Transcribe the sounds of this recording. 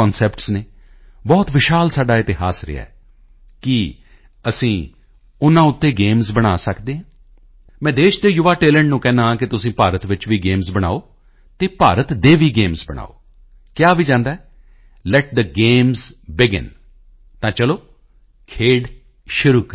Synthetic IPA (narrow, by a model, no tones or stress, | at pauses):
ɔːnsɛːpʈsneː | bɔːt̪ʋɪʃaːlsaːɖaːɪt̪ɪɦaːsɾɪ̰ja̰ːɛ | kɪ | əsĩː | ʊnãːʊt̪ːeːɡeːmzbəɽ̃aːsəkd̪eːɦãː | mɛ̃ːd̪eːʃd̪eːjʊʋaːʈeːlɛ̃ɳɖnũːkɛ̃ːnãːkɪt̪ʊsĩːpaːɾət̪ʋɪt͡ʃʋiːɡeːmzbəɽ̃a̰ːoː | t̪eːpaːɾət̪d̪eːʋiːɡeːmzbəɽ̃a̰ːo̰ː | kjaːʋiːd͡ʒãːnd̪aːɛ | lɛʈ̚d̪əɡeːmzbɪɡɪ̰n | t̪ãːt͡ʃəloː | kʰeːɖ | ʃʊɾuːkɾ